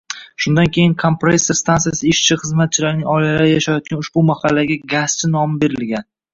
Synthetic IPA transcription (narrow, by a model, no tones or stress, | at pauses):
ʃʊnd̪ankʲʰe̞jɪŋkʰompɾesest̪ant̪ijasɪɪʃt͡ʃʰɪχɨzmat̪̚t͡ʃʰɪlaɾɪnɪŋɒjlalaɾɪjaʃajɒt̪̚kʲanʊʃbʊmahalːaɡʲaɡast͡ʃʰɪnɒmɪbe̞ɾɪlɡʲan